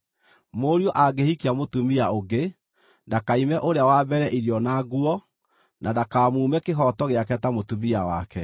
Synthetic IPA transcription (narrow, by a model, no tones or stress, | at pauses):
moɾjoʔaɡehikiamotumiaoɡe | ndakaimɛʔoɾeawabɛɾɛʔiɾjɔnaɡuɔ | nʔadakaːmuːmɛkeɦɔtɔɣeakɛtamotumiawa̰kɛ